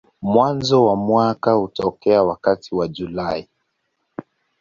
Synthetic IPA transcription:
mwanzɔwamwakahutɔkɛawakatʰiwad͡ʒulai

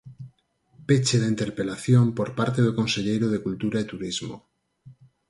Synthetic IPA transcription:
pet͡ʃeðeint̪e̞ɾpe̞laθjompoɾpaɾt̪eðoko̞nseʎejɾoð̞ekult̪uɾaet̪uɾizmo̰

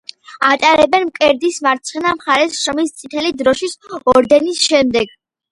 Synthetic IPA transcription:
at̪ʼaɾɛbɛnmkʼɛɾd̪ismaɾt̪sʰχnamχaɾɛsʃɾɔmist̪sʼit̪ʰɛlid̪ɾɔʃisɔɾd̪ɛnisʃɛmd̪ɛɡ

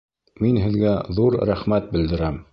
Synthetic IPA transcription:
minɦɘ̆ðɡæðuɾɾæχmæt̪̚bɘ̆ld̪ɘ̆ɾæm

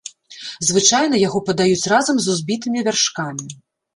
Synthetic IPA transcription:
zvɨt͡ʂajn̪ɐjaɣɔpɐd̪ajut͡sʲrazɐmzuzʲbʲit̪ɨmʲivʲarʂkamʲi

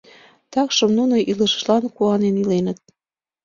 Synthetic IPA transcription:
t̪ɑkʃəmnunoʔiləʃə̥ʃlɑnkuɑnenilenət̪̚

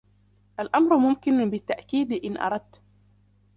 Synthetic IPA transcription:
ʔalʔamɾʊmʊmkɪnbɪt̪ːaʔkiːd̪ʔɪnʔɑ̰ɾˤɑd̪̚t̪

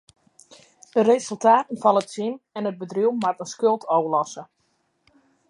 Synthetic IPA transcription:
dəɾesəlˠtaːtən̩fɑnətsinɛnəd̚bədriwmatənskølˠtʰowəlɔsə

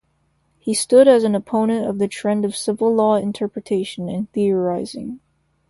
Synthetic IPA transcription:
histʊɾɨz̃n̩əpʰõʊ̃nɨ̃ntʌvðɨtʰɹ̥ɛ̃ndʌv̥sɪvl̩ˠlɔɨ̃ntʰɜ˞pɹɨtʰeɪʃɨ̃nɨ̃nθiə˞aɪzɪ̰̃ŋ

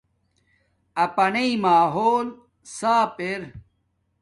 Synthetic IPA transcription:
ɐpɐneimaːɦoːl | saːpeɾ

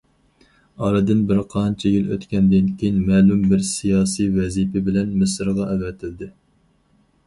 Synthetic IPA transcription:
ɑɾɨd̪ɪnbɪɾqʰɑnt͡ʃʰɛjilø̰t̪kʲɛnd̪ɪnkʲʰejinmɛːlumbɪɾsijɑːsijvɛzipʰɪbɪlɛnmɪsɾʁɑʔɛvɛt̪ʰɪld̪ɪ

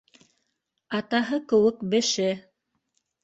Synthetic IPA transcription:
ɑt̪ɑɦɤkɘ̆wɘkbɘ̆ʃɘ

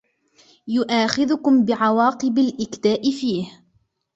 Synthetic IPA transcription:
jʊʔaːxɪðʊkʊmbɪʕawɑːqɨbalʔɪkd̪aːʔɪfiːh

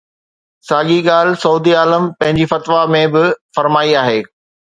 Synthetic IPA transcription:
saːɠiɠaːlsɐuːd̪iaːləmpɐ̃ɦɪ̃ɲd͡ʑifɐt̪ʋamẽbɪfɐɾmaːiaːɦeː

